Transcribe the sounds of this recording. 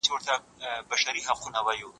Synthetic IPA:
t͡ʃewəɾt̪a | baʃaɾiɦaqunawaju

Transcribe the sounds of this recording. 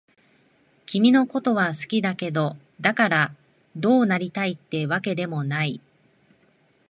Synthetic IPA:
kʲimʲino̞ko̞t̪o̞β̞asɨ̥kʲid̪ake̞d̪o̞ | d̪akaɾa | d̪o̞ːnaɾʲit̪ait̪ːe̞βake̞d̪e̞mo̞nai

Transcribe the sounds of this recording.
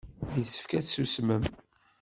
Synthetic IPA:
jəsə̥fkæt͡ssusməm

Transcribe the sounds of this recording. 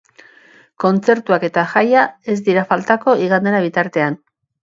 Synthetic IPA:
ko̞nt͡se̞ɾt̪uake̞t̪axajae̞zd̪iɾafalt̪ako̞iɣ̞and̪e̞naβ̞it̪aɾt̪e̞an

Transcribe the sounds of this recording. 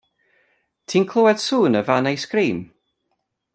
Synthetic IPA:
tʰiːnkʰlˠʊwɛd̥suːnəvanejskriːm

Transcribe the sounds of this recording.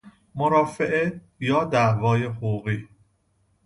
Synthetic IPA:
moɾɒːfeʔe | jɒːd̪æʔvɒːje̞hoɣuːɣiː

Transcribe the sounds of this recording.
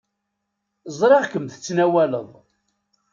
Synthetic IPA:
zˤɾˤeʁkəmθə̥t͡sːnæwæləðˤ

